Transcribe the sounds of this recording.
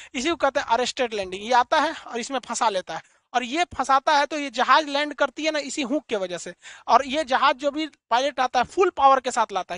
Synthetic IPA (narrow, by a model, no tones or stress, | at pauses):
ɪsikokɛɦt̪ẽɦɛ̃ʔɐɾeːsʈeːɖlɛ̃ːɳɖɪ̃ŋjeaːt̪aɦɛɔːɾɪsmẽpʰɐsaleːt̪aɦɛ | ɔːɾjepʰɐsaːt̪aɦɛt̪ojed͡ʒɐɦaːd͡ʒlɛ̃ːɳɖkɐɾt̪iɦɛnaɪsiɦũːkːeʋɐd͡ʒəɦseɔːɾjed͡ʒɐɦaːd͡ʒd͡ʒoːbʱipaːɪleʈaːt̪aɦɛpʰʊlpaːʋəɾkesaːt̪ʰlaːt̪aɦɛ